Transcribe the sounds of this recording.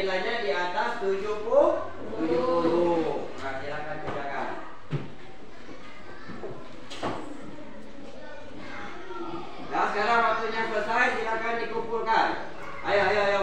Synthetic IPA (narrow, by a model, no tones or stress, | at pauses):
lad͡ʒadiat̪ast̪ud͡ʒuku | t̪ud͡ʒu | kasilakant̪ud͡ʒaka̰n | lasəkaɾaŋwak̚t̪uʔɲasəsaisilakandikupulkan | ajaajaaja